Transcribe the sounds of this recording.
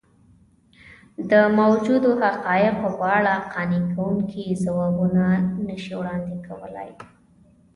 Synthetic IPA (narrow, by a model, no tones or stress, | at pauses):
d̪əmawd͡ʒud̪ohaqɑjɪqopːɽaqɑnikawuŋkʰizawɑbunanəʃiwɽɑnd̪ɪkawəla̰j